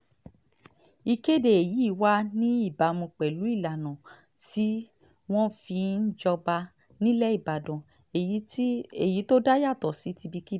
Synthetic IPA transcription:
i˧ke˦de˧e˨ji˨˦˨wa˦nĩ˦i˦˨ba˨mũ˧k͡pɛ˨lu˨˦i˦˨la˨nã˨ | ti˦ | w̃ɔ̃˦fi˧n̩˦d͡ʒɔ˧ba˧ | nĩ˦lɛ˦i˦˨ba˨dɔ̃˨ | e˨˦e˨ji˨˦to˦da˦ja˦˨tɔ˨si˨˦ti˧bi˧ki˦

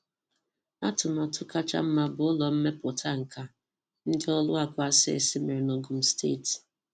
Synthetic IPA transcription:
a˦tʊ˨ma˨tʊ˦ka˦t͡ʃa̰˦m̩˦ma˦bʊ˨ɔ˦lɔ˨m̩˦me˦pʊ˨tʰa˦ŋ̩˨ka˦ | n̩˦dɪ˦ɔ˦lʊ˦a˨kʷa˦sɪ˦ḛ˨sɪ˦me˨ɾɪ˨no˨ɡʊ˨m̩˦stḛ˦˨t

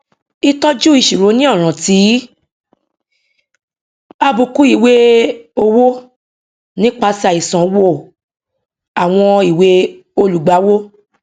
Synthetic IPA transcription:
i˧tɔ˦d͡ʒu˦i˧˨ʃi˨ɾo˨˦nĩ˦ɔ˦˨ɾ̃ã˨ti˨˦ | a˧bu˧ku˦i˨we˦o˧wo˦ | nĩ˦k͡pa˧˦sa˧˨i˨sã˨wo˦˨ | a˨w̃ɔ̃˧i˨we˦ | o˧lu˨ɡ͡ba˨˦wo˦

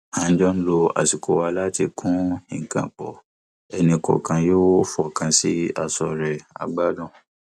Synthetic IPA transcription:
ã˧n̩˦d͡ʒɔ˦n̩˦lo˧a̰˨si˨kʰo˨wa˧la˦ti˧kʰũ˦ĩ˨ŋ̩˨kã̰˨k͡pɔ˨ | ɛ˧nĩ˧kɔ̰˨kã˧joː˦fɔ˦˨kã˧si˦a˦˨sɔ˧ɾɛ˨a̰˧ɡ͡ba˦dɔ̃˦˨

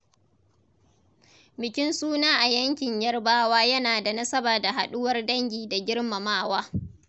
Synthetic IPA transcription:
bɪ˨kʲɪ˦nsuː˦naː˦ʔa˨jɐ˦ŋkʲɪ˨ɲjɐ˦rbaː˦waː˦jɐ˦naː˨da˨nɐ˦sɐ˦baː˨da˨ɦa˨ɗʊ˦wɐ˦rdɐ˦ŋɡʲiː˨da˨ɡʲɪ˦rmɐ˨maː˦˨waː˦

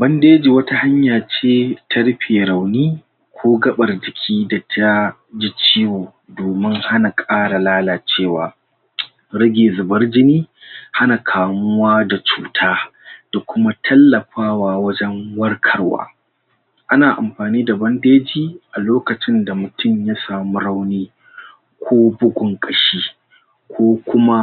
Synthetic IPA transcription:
bɐ˦ndeː˦d͡ʒiː˨wɐ˦ta˦ha˦ɲjaː˨t͡ʃeː˦tʰɐ˦ɽɸeː˨ɾa˨wniː˦ | kʷʰoː˦ɡɐ˦ɓɐ˨rd͡ʒɪ˨kʲʰiː˦da˨tʰa˦ | d͡ʒi˦t͡ʃiː˦woː˨ | doː˨mɪ˦ŋha˦na˨kʼaː˦ɽa˨laː˦laː˨t͡ʃeː˦˨waː˨ | ɽɐ˦ɡʲeː˨zʊ˨bɐ˦rd͡ʒɪ˦niː˦ha˦na˨kʰaː˨mʊ˦waː˦da˨t͡ʃuː˨tʰaː˦d̥a˨kʷʊ˦ma˦tʰɐ˦lːɐ˨ɸaː˦waː˨wɐ˦d͡ʒɛ˦ŋwɐ˦rkʰɐ˦rwa̰ː˦ | ʔa˦naː˨ʔa̰˨mɸaː˨niː˦da˨bɐ˦ndeː˦d͡ʒiː˦ʔa˨loː˦kɐ˨t͡ʃɪ˦nda˨mʊ˨tʊ˦mja˦saː˨mu˦ɽa˦wniː˦ | kʷʰoː˦bʊ˦ɡʷʊ˨ŋkʼɐ˨ʃiː˦ | kʷoː˦kʷʊ˦ma˦

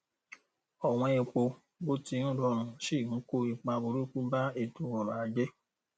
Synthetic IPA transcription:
ɔ˨w̃ɔ̃˧e˧k͡po˧ | bo˦ti˧˦nũ˦dɔ˧˦ɾ̃ũ˧˨ʃẽ˦˨˦ko˦i˨k͡pã˧bo˧ɾu˦ku˦ba˦e˦˨tu˨˦wɔ̃˨mãː˨˦d͡ʒe˦

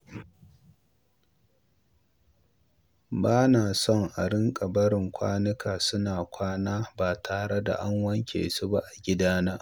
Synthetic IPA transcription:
baː˦naː˨sɔ˦˨ŋʔa̰˨ɽɪ˦ŋkʼɐ˨bɐ˦ɽɪ˨ŋkʷʰa̰ː˦nɪ˦kʰaː˨sʊ˦naː˨kʷʰaː˦naː˦baː˨tʰaː˨ɽe˦da̰˨ʔa˦ŋwɐ˦ŋkʲʰḛː˨su˦ba˦ʔa˨ɡʲɪ˦daː˦naː˦ʔ

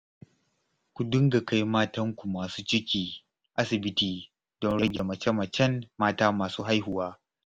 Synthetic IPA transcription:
kʷu˨dʊ˦ŋɡa˨ka˦jmaː˦tɐ˦ŋkʷu˨maː˨suː˦t͡ʃɪ˦kʲiː˨ | ʔa˦sɪ˨bɪ˦tiː˨ | d̥ɔ˦nɽɐ˦ɡʲe˨mɐ˨t͡ʃɛ˦mɐ˨t͡ʃɛ˦nːaː˦taː˦maː˨suː˦ɦa˦jɦʊ˨waː˦

